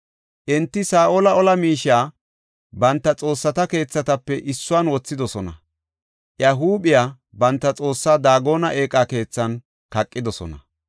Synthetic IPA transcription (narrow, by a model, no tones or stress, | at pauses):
ʔɛnt̪ːɪsaːʔolɐɔlɐmiːʃaː | bɐnt̪ːɐt͡sʼo̞ːsːɐt̪ɐke̞ːt͡sːɐt̪ɐpːɛʔɪsːʊaːnwɔt͡sːɪd̪ɔsɔnɐ̰ | ʔjɐɦuːɓɪjaː | bɐnt̪ːɐt͡sʼo̞ːsːaːd̪aːɡo̞ːnɐʔe̞ːkʼːake̞ːt͡sːɐn | kɐkʼːɪd̪ɔsɔ̰nɐ